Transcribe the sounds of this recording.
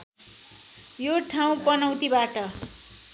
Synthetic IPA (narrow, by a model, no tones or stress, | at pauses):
joʈʰaw̃pʌnʌw̃t̪ibaʈʌ